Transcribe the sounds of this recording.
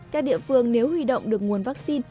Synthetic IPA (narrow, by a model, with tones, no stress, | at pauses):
kaː˦˥k̚ɗḭ˧˨əfɨ˧əŋne˨˦whwi˧ɗo̰˧˨wŋ͡mɗɨ˨˩ək̚ŋu˨˩ənvaː˦˥k̚si˧n